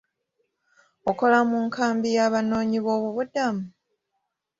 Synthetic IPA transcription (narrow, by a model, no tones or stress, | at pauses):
oko̞lamuŋkaːmbijaːβano̞ːɲiβo̞ːβuβudamu